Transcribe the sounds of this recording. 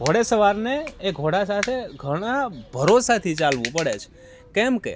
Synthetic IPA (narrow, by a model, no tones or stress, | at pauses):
ɡʱoɽesəʋaɾneːɡʱoɽasat̪ʰeɡʱəɽ̃abʱəɾosat̪ʰit͡ʃalʋũpəɽet͡ʃʰe̥ | kɛmkḛ